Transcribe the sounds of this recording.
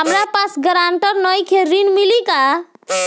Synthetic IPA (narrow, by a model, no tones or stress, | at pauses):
ɦəmɾapasɡəɾaɳʈəɾnɔjkʰeɾinmilika